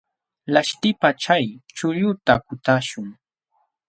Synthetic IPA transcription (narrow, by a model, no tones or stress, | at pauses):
laʃt̪ɪpat͡ʃajt͡ʃʊʎʊt̪akʊt̪aʃʊŋ